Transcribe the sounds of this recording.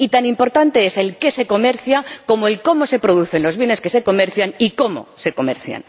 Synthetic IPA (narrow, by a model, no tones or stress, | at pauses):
it̪animpo̞ɾt̪ant̪e̞ese̞lke̞se̞ko̞me̞ɾθjako̞moe̞lko̞mo̞se̞pɾo̞ð̞uθe̞nlo̞zβje̞ne̞ske̞se̞ko̞me̞ɾθjaniko̞mo̞̰se̞ko̞me̞̰ɾθja̰n